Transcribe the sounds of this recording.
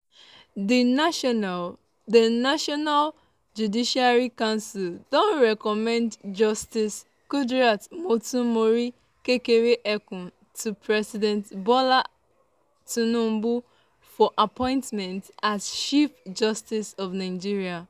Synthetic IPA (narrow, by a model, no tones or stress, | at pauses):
dənaʃɔnal | d͡ʒudiʃiaɹikãʊ̃nsildõntɹɛkɔmɛ̃ndd͡ʒɔstis | kudɹatmotũmoɾi | kekeɾeʔɛkũ | tʰupɹɛsidɛ̃ntbɔla | tunũm̩bu | fɔʔapɔ̃ɪ̃ntmɛ̃ntasʃifd͡ʒɔstisɔvnaɪd͡ʒiɹia